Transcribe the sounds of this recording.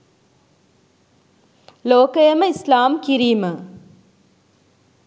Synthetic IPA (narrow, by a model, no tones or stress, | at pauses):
loːkəjəməislaːmkiɾiːmə